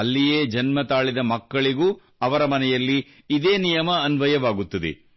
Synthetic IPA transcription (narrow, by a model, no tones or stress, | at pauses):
ɐlːijeːd͡ʒɐnmɐt̪aːɭid̪ɐmɐkːɐɭiɡuː | ɐʋɐɾɐmɐnɛjɐlːiː | d̪eːnijɐmɐːnʋɐjɐʋaːɡut̪ːɐd̪ḛ